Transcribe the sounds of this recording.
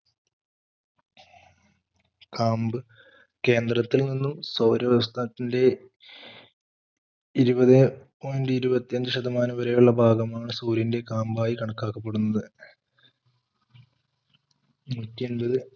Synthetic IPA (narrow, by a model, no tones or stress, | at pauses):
kaːmbɨ | ke̞ːnd̪rɐt̪ːilninːumsɐwɾɐʋɐs̬t̪aːɐt̪ːinde̞ | iɾubɐðe | oːndɨiɾubɐt̪ːijɐnd̪ɨʂɐd̪ɐmaːnɐʋɐɾɐjuɭːɐbʱaːɡɐmaːɳɨsuːɾinde̞kaːmbaːjikɐɳɐkːaːkːɐpːe̞ɽunːɐðɨ | mutːijenbɐðɨ